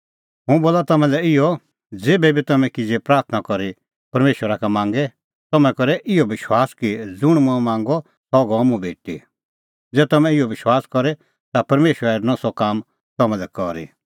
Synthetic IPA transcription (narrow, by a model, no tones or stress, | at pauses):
ɦũboːlat̪ɐmɛ̃lɛɪjɔ | d͡zeːbɛbʱit̪ɐmɛ̃kid͡zepɾaːɾt̪ʰnakɔɾi | pɐɾmeːʃwəɾakamãːŋɡɛ | t̪ɐmɛ̃kɔɾɛʔɪɔbɪʃwaːskid͡zʊɽ̃mũɛ̃mãːŋɡɔ | sɔɡɔmũbʱeːʈḭ | d͡zɛːt̪ɐmɛ̃ɪjɔʋɪʃwaːskɔɾɛ | t̪apɐɾmeːʃwəɾɛnɔsɔkaːm | t̪ɐmɛ̃lɛkɔɾḭ